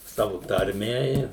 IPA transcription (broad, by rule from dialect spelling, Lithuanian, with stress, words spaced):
ˈsɑːʋʊ tɐrʲˈmʲɛ ɪ